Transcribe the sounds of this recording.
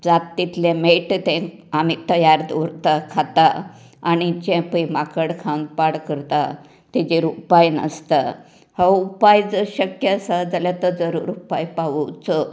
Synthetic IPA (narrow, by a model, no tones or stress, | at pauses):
d͡zat̪ːit̪lemeʈt̪ɛ̃ | amit̪əjaɾd̪oɾt̪akʰat̪aː | ɽ̃id͡ʑɛ̃pəjmakəɽkʰãwnpaɽkəɾt̪a | t̪ɛd͡ʑeɾupajnə̰st̪a | haupajd͡zəɕəkjəsad͡zalat̪əd͡zəɾṵːɾupajpaʋəwt͡sə